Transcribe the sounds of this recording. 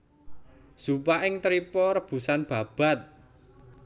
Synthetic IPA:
supaʔɪŋt̪ɾipɔɾəb̥ṳsanb̥ä̤b̥a̤t̪̚

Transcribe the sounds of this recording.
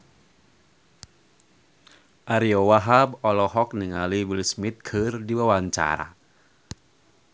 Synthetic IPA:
ʔaɾiowaɦabɔlɔɦɔk̚niŋalibilismit̪̚kʰɨrdiwawaɲt͡ʃa̰ɾa̰

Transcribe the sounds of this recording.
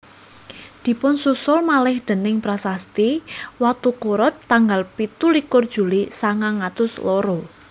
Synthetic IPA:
d̪̥i̤pʊnsusʊlmalɪhd̪̥ə̤nɪŋpɾasast̪iwat̪ukoɾɔt̪ːaŋɡalpit̪ulikʊrd̥ʒ̥ṳlisaŋaŋat̪ʊslɔɾɔ

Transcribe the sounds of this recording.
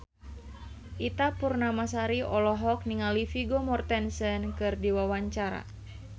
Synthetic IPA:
ʔit̪apurnamasaɾiʔɔlɔɦɔk̚niŋalifiɡomɔrt̪ɛnsənkɨrdiwawaɲt͡ʃaɾa̰

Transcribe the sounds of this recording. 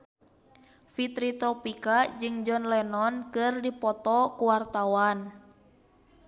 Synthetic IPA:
fit̪ɾit̪ɾɔpikad͡ʒɨŋd͡ʒɔnlɛnɔnkɨrdipɔt̪ɔkuwart̪awan

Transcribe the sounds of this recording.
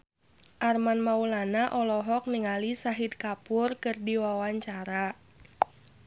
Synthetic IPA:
ʔarmanmaulanaʔɔlɔɦɔk̚niŋalisaɦid̪̚kapʊrkɨrdiwawaɲt͡ʃaɾa

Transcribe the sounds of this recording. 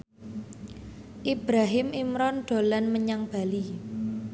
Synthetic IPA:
ʔib̥ɾaɦɪmimɾɔnɖ̪̥o̤lanməɲaŋb̥a̤li

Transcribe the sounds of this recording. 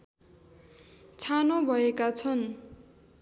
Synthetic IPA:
t͡sʰanobʱʌekat͡sʰʌn

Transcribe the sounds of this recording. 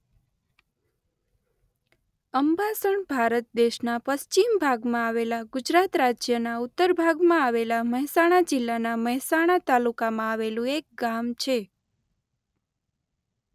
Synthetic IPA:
əmbasəɳbʱaɾət̪̚d̪eʃnapəst͡ʃimbʱaɡmãaʋelaɡʊd͡ʒɾat̪ɾad͡ʒjənaʊt̪ːəɾbʱaɡmãaʋelaməɦɛsaɽ̃ad͡ʒɪlːanaməɦɛsaɽ̃at̪alukamãaʋelũek̚ɡamt͡ʃʰe

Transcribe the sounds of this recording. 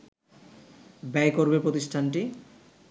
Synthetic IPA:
bɛjkoɾbepɾot̪iʃʈʰanʈi

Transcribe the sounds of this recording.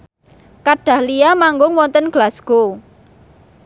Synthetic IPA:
kaɖ̥a̤hlijamaŋɡʊŋwɔnt̪ənɡ̥lasɡ̥o

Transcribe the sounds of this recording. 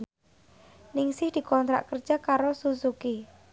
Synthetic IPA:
nɪŋsɪhd̪̥i̤kɔnt̪ɾa̰ʔkər̥ʒ̥akaɾosusuki

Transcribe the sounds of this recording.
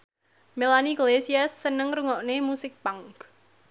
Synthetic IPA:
melaniɡlesiasːənəŋruŋɔʔnemusɪk̚paŋk

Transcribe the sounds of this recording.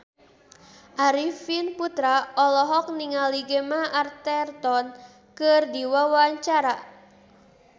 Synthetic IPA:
ʔaɾifinput̪ɾaɔlɔɦɔk̚niŋaliɡemaart̪ɛrt̪ɔn | kɨrdiwawaɲt͡ʃaɾa

